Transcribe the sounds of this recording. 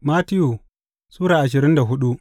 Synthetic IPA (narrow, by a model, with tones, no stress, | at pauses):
ma˦tɪ˦ju˨ | suː˦ɾaː˨ʔa˨ʃɪ˨ɾɪ˦nda˨ɦʊ˦ɗu˦ʔ